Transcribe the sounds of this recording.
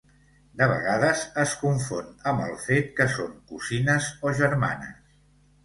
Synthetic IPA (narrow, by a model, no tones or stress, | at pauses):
d̪əβ̞ə̰ɣaðəzəskuɱfonəmbə̰lˠfet̪̚kəsoŋkuzinəzoʒəɾma̰nə̰s